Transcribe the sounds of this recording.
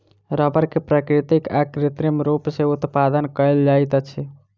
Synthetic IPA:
ɾəbəɾkepɾakɾit̪ikakɾit̪ɾimɾupseut̪pad̪ənkəjld͡ʒajt̪ət͡ʃʰi

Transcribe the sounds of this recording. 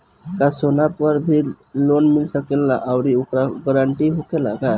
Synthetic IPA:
kasonapəɾbʱi | lonmilsəkelːaʔaʊɾiukɾaɡəɾaɳʈiɦokelaka

